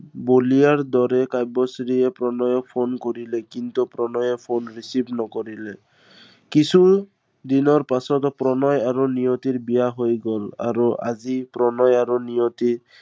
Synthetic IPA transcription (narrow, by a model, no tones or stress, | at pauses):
bolijaɹd̪ɔɹɛkajbɔsɾiɛpɹɔnɔjɔpʰonkoɹilɛkint̪upɾɔnɔjɛpʰonɹisibnɔkoɹilɛ | kisʰu | d̪inɔɹpasɔtɔpɹɔnɔjaɹonijotiɹbijaɦojɡɔla̰ɹua̰zipɹɔnɔjaɹunijɔti